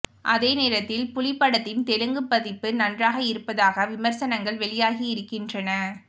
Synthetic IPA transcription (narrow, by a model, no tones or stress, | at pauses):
ʔɐðeːneːɾɐt̪ːɪlpʊlɪpːɐɽɐt̪ːɪnt̪ɛlɯŋɡɯpːɐðɪpːɯnɐndraːɣɐɪɾɯpːɐðaːɣɐʋɪmɐɾsɐnɐŋɡɐɭʋɛɭɪjaːɣiɪɾɯkːɪndrɐnɐ